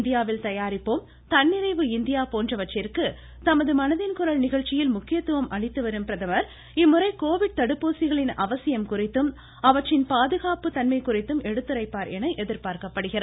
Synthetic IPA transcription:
nd̪ɪjaːʋɪlt̪ɐjaːɾɪpːoːm | t̪ɐnːɪɾɐɪʋɯɪnd̪ɪjaːpoːndrɐʋɐt͡ʃrɪrkɯ | t̪ɐmɐðɯmɐnɐðɪnkʊɾɐɭnɪɣɐɭt͡ʃːɪjɪlmʊkːɪjɐt̪ːɯʋɐmʔɐɭɪt̪ːɯʋɐɾɯmpɪɾɐðɐmɐɾ | ɪmːɯrɐɪkoːʋɪɽ̚t̪ɐɽɯpːoːsɪɣɐɭɪnɐʋɐsɪjɐmkʊrɪt̪ːɯm | ɐʋɐt͡ʃrɪnpaːðɯɣaːpɯt̪ɐnmɐɪkʊrɪt̪ːɯmʔɛɽɯt̪ːɯɾɐɪpːaːɾɛnɐɪʔɛðɪɾpaːɾkɐpːɐɽɯɣɪrɐ

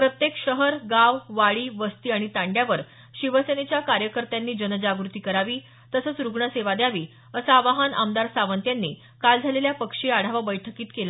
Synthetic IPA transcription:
pɾət̪jekɕəɦəɾɡaʋʋaɭiːʋəst̪iːaɽ̃it̪ãɳɖjaʋəɾ | ɕiʋəsenet͡ɕjakaɾjəkəɾt̪janːiːd͡ʑənəd͡ʑaɡɾut̪iːkəɾaʋiː | t̪əsət͡sɾuɡɳəseʋad̪jaʋiː | əsaʋaɦanʔa̰md̪aɾsaʋənt̪janːḭː | kald͡zʱaleljapəkʂiːaɽ̤aʋabəjʈʰəkiːt̪kela

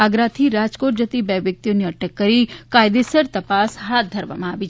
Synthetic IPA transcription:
aɡɾat̪ʰiɾad͡ʒkoʈ̚d͡ʒət̪ibɛʋjək̚t̪ijoniəʈəkːəɾikajd̪esəɾt̪ɐpasɦat̪̚d̪ʱəɾʋa̰mãaʋi

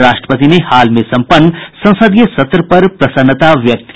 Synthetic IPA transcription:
ɾaːʃʈɾə̥pət̪inehaːlmẽsɐ̃mpənːsɐ̃w̃səd̪ijəsɐt̪ɾəpɐɾpɾɐsənːət̪aʋjɐk̚t̪

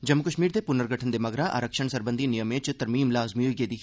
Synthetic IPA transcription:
d͡ʒɐmːukəʃmiːɾd̪epʊnəɾɡʱəʈʰənd̪emɐɡɾaʔa̰ːɾəkʃəɳsəɾbə̃nd̪ʱinijəmẽːt͡ʃt̪ɐɾmiːmlaːzmiɦoiɡed̪ɪkʰ

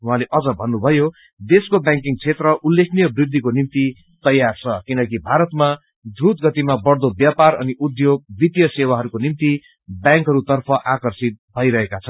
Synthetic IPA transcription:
uɦãleʔʌd͡zʌbʱʌnːubʱʌjo | d̪eskobjãŋkiŋt͡sʰet̪rʌʔulːekʰnijʌbrid̪ʱːikonimt̪i | t̪ʌjːart͡sʰʌkinʌkibʱaɾʌt̪ma | d̪rut̪ɡʌt̪imabʌrd̪objapaɾʌ̰niʔud̪joɡ̚bit̪jʌsewaɦʌɾukonimt̪i | bjãŋkɦʌɾut̪ʌrpʰʌʔakʌrsit̪̚bʱʌiɾʌɦekat͡sʰʌn

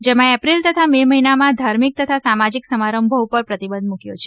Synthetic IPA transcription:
d͡ʒemãɛpɾilt̪ət̪ʰameməɦinamãd̪ʱaɾmik̚t̪ət̪ʰasamad͡ʒiksəmaɾəmbʱəʋpəɾpɾət̪ibə̃nd̪mũkjot͡ʃʰe

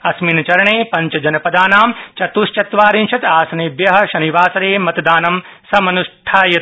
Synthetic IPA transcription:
ɐsminɐt͡ʃɐɾɐɳeːpɐɲt͡ʃɐd͡ʒɐnɐpɐd̪aːnaːmt͡ʃɐt̪ust͡ʃɐt̪ʋaːɾinʃʰɐt̪aːsɐneːbjɐɦɐ̆ʃɐniʋaːsɐɾeːmɐt̪d̪aːnɐmsɐmɐnuʂʈʰaːjɐt̪

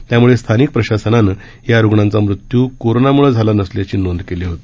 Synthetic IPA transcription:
t̪jamuɭest̪ʰanik̚pɾəɕasənanə | jaɾuɡɳãnt͡samɾut̪juːkoɾonamuɭəd͡zʱalanəsljat͡ɕiːnond̪keliːɦot̪i̥

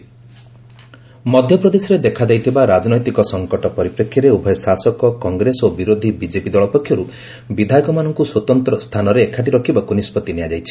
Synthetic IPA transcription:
mɔd̪ʱjɔpɾɔd̪esɔɾed̪ekʰad̪ajt̪ʰibaɾad͡ʒɔnɔjt̪ikɔsɔŋkɔʈɔpɔɾipɾekʰːjaɾeubʱɔjsasɔkɔkɔŋɡɾesobiɾod̪ʱibid͡ʒepid̪ɔɭɔpɔkʰːjɔɾu | bid̪ʱajɔkɔmanɔŋkuswɔt̪ɔnt̪ɾɔst̪ʰanɔɾeːkʰaʈ̬iɾɔkʰibakunispɔt̪inead͡ʒajt͡ʃʰi̥

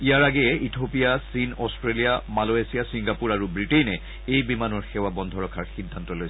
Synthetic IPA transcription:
ijaɹaɡɛɛitʰopijasinɔstɹelijamaloesiasiŋɡapuɹaɹubɹitejnɛ | ejbimanɔɹxɛwabɔndʱɔɹɔkʰaɹxindʱantɔlojs

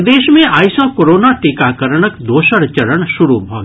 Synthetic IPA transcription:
d̪eːʃmẽaːjsɔ̃ːkoɾoːnaʈikaːkəɾəɳ̃əkd̪oːʃəɾt͡ʃɐɾəɳʃʊɾubʱo̰ːɡ

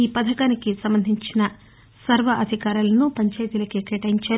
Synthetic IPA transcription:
iːpɐd̪ʱɐkaːnikisɐmbɐnd̪ʱiɲt͡ʃinɐ | sɐɾʋɐʔɐd̪ʱikaːɾulɐnupɐɲt͡ʃɐːjt̪iːlɐkekeːʈɐjiɲt͡ʃaː

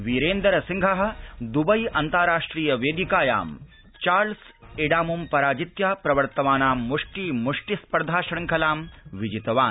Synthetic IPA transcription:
ʋiɾeːnd̪ɐɾɐsiŋɡʱɐɦɐ̆d̪ubɐjɐnt̪aɾaːʂʈɾiːjɐʋeːd̪ikaːja̰ːm | t͡ʃaːɾls | eɖaːmumpɐɾaːd͡ʒit̪jaːpɾɐʋɐɾt̪ɐʋaːnaːmːuʂʈiːmuʂʈispɐɾd̪ʱaːʃɐɽɐŋkʰɐlaːmʋid͡ʒit̪ɐʋaː

